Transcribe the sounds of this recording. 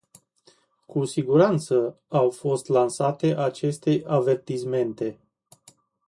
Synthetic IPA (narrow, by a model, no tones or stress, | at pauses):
kusiɡuɾant̪sə | awfo̞st̪lansat̪e̞ʔat͡ʃe̞st̪e̞jave̞rt̪isme̞nt̪e̞